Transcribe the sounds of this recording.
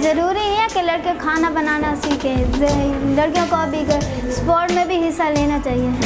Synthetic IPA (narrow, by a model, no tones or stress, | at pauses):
zɐɾuːɾiɦɛɛ̃kelɐɽkijõkʰaːnabɐnaːnasiːkẽ | lɐɽkijõkobʱiɡɐ | spɔːʈmẽbʱiɦɪsːaleːnat͡ʃaːɦie